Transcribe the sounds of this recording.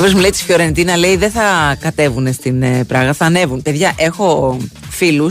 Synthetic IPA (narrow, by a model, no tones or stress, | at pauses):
vɾezmulet̪si̥fjo̞ɾe̞nd̪inɐle̞iðeθɐkɐt̪e̞vune̞st̪inepɾɐɣɐθɐːne̞vunpe̞ðʝɐʔe̞xo̞filus